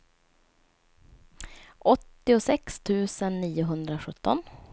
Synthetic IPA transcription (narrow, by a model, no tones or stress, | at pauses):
ʔɔt̪ːɪʊsɛkst̪ʰʉ̟ːsənːiːʊɦɵnd̪ɾaɧɵt̪ʰːɔ̰n